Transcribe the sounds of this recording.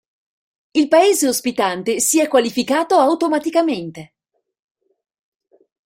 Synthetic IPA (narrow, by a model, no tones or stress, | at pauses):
ilpaeːzeospit̪ant̪esiɛkːwalifikaːt̪oawt̪omat̪ikament̪e